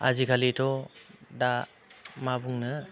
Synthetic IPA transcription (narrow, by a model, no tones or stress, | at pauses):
a̰zikʰalitʰɔda | mabuŋnɯ